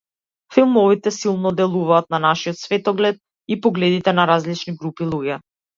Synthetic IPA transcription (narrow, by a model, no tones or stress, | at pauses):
filˠmɔvit̪ɛsilˠnɔd̪ɛlˠuvaːt̪̚nanaʃiɔt̪svɛt̪ɔɡlɛt̪̚ | ipɔɡlɛd̪it̪ɛnaɾazlit͡ʃniɡɾupilˠuɟɛ